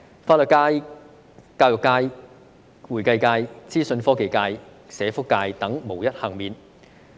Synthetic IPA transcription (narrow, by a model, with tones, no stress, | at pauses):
faː˧t̚lɵ˨t̚kaː˧j | kaː˧wjʊ˨˩kːaː˧j | wuː˨˩jkɐ˧jkaː˧jt͡siː˥sɵ˧nfɔː˥ke˨jkaː˧jsɛː˨˥fʊ˥kːaː˧jt̪ɐ˨˥ŋmo˨˩wjɐ˥t̚hɐ˨˩ŋmiː˨n